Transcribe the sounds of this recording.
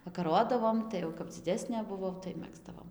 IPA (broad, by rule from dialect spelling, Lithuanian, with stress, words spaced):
ʋɐkɐˈroːdɐʋoːm ˌtɐɪ jɛʊ kɐp d͡zʲɪˈdʲæːsʲnʲeː bʊˈʋɐʊ tɐɪ ˈmʲæːɡzdɐʋoːm